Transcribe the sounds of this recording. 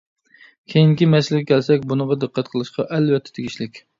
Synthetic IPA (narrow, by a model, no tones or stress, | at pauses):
kʲʰejiŋkʲimɛsɪlɪɡʲɛkʲʰɛlsɛkʲbunəʁɑd̪ɨqːæt̪̚qʰəlˠɨʃqɑʔɛlwɛt̪ʰːɛ̥t̪ʰeɡʲiʃlɪkʲ